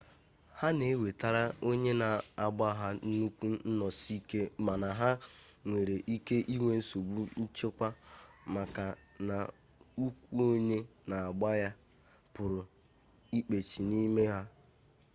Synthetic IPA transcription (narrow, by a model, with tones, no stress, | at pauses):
ha˦ne˨˦we˨ta˨ɾa˦o˦ɲe˦na˨a˨ɡ͡ba˦ɦa˦nu˦kʷu˦n̩˦nɔ˨si˦ke˦ma˨na˨ɦa˦ŋʷe˨ɾe˨ʔi˦ke˦ʔi˦ŋʷe˦n̩˦so˨ɡ͡bu˦n̩˦t͡ʃe˦kʷa˦ma˨ka˨na˨ | u˦kʷu˦o˦ɲe˦na˨a˨ɡ͡ba˦ja˦ | pʊ˨ɾʊ˨ | i˦k͡pe˨t͡ʃi˨ni˦me˦ɦa˦